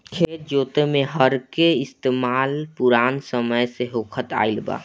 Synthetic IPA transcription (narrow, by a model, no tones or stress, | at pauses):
kʰeːtd͡ʒoːt̪emẽɦəɾkeɪst̪eːmaːlpuɾaːnsəməjseɦoːkʰət̪a̰ːilba̰ː